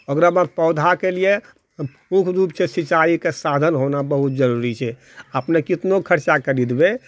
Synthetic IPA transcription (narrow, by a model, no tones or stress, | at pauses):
əɡɾamãpɔʊd̪ʱakelije | mukʰɾupsesit͡ʃaikesad̪ʱənɦonabəɦut̪̚d͡ʒəɾuɾit͡ʃʰɛ | əpnekit̪nokʰəɾt͡ʃakəɾid̪be